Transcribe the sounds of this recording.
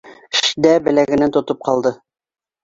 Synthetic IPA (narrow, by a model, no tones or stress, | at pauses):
ʃd̪æbɘ̆læɡɘ̆nænt̪ŏt̪op̚qɑlˠd̪ɤ